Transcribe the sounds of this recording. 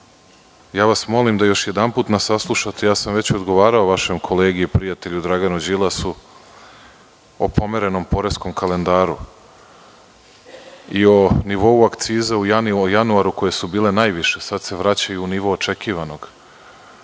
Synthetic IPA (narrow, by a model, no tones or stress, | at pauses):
jaːʋasmo̞limd̪ajo̞ʃje̞d̪anpuːt̪nasaslˠuʃat̪ejaːsamʋe̞t͡ɕod̪ɡo̞ʋaːɾao̞ʋaʃemkʰo̞le̞ːɡiipɾijat̪eʎud̪ɾaɡanud͡ʑilˠasu | opo̞meɾe̞no̞mpo̞ɾe̞sko̞mkale̞nd̪aːɾu | io̞niʋo̞uakt̪siːzaujanjanuaɾuko̞je̞subiːle̞naːjʋiʃesad̪se̞ʋɾat͡ɕajuːniʋo̞ːt͡ʃekiːʋano̞ɡ̥